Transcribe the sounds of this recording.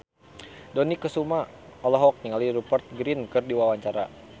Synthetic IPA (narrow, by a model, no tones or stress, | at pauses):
dɔnikːəsumaɔlɔɦɔk̚niŋaliɾupərt̪̚ɡɾinkɨrdiwawaɲt͡ʃaɾa̰